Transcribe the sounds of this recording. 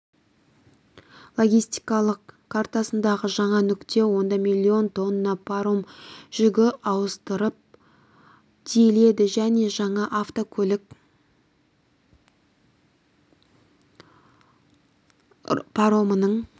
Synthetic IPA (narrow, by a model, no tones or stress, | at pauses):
lˠo̞ɡʲijst̪i̥jkɑlˠəqkʰːart̪ɑsənd̪ɑʁəʒɑɴɑnʏkt̪e̞wo̞nd̪ɑmilʲːio̞nt̪ʰo̞nəːɑpʰɾomʒ̥ʏɡʲɪʔɑwəst̪əɾəp̚ | d̪̥ʰijle̞d̪ɪʒæne̞ʒɑɴɑʔaft̪o̞kʲʰɵlɪk | pʰaɾo̞mənəɴ